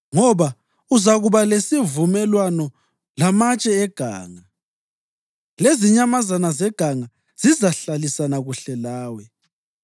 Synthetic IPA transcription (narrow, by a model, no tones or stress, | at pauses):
ŋɔβa | uzaɣuβalesivumɛlwanɔ | lamat͡ʃʼɛɛɡ̥ʱa̰ːŋa | leziɲamazanazɛɡ̥ʱaŋa | z̥izaɬalisanaɣuɬɛlaːwɛ